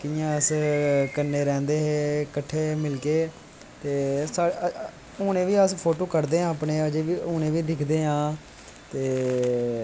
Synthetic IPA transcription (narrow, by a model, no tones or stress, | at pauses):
kɪjãːəskənːeːɾɛ̃ːnd̪eːɦeːkəʈʰːeːmɪlkeː | t̪eːsaːe | ʊːɽ̃ẽːʋiːəspʰoːʈoːkəɾd̪eːɦãːpɳeːəd͡ʒeːʋiːʊːñẽːʋiːɖɪkʰd̪eːɦãː | t̪eː